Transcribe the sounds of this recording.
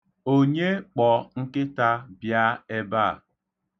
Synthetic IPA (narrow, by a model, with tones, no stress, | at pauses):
o˦ɲe˦k͡pɔ˨ŋ̩˦kɪ˦ta˦bja˦e˦ba˦˨